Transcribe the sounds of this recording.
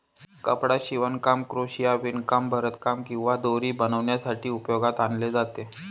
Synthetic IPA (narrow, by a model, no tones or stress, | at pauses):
kəpɽaɕiʋənkamkɾoɕijaʋinkambʱəɾət̪kamkĩw̃ʋad̪oɾiːbənəʋnjasaʈiːupjoɡat̪anled͡zat̪e